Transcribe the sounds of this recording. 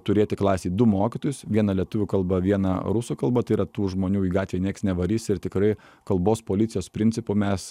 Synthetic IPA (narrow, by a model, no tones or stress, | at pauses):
t̪ʊɾʲeːt̪ʲɪklˠɑːsʲeːd̪ʊmoːkʲɪt̪oːjʊsʋʲiɛnɐlʲiɛt̪ʊʋʲʊkɐlˠbɐʋʲiɛnɐ̰ɾʊsuːkɐlˠbɐt̪ɐɪiɾɐt̪uːʒmoːnʲuːiːɡɑːt̪ʲʋʲeːnʲeɛksnʲɛʋɐɾʲiːsʲɪɾt̪ʲɪkɾɐɪ | kɐlˠboːspoːlʲɪt̪sʲɪjoːspʲɾʲɪnʲt̪ʲɪpʊmʲɛs